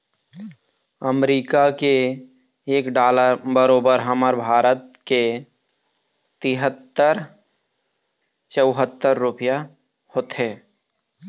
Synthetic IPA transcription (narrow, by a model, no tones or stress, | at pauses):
əmɾiːkakeː | kɖaːləɾbəɾoːbəɾɦəməɾbʱaːɾət̪ke | t̪ɪɦət̪ːəɾ | t͡ʃəwɦət̪ːəɾːʊpɪja | hoːt̪ɦeː